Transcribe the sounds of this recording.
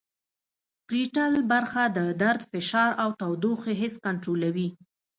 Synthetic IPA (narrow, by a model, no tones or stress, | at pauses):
pɾiʈalbaɾxad̪əd̪aɾd̪fɪʃɑɾawt̪awd̪oxeɦɪskaɳʈɾolawi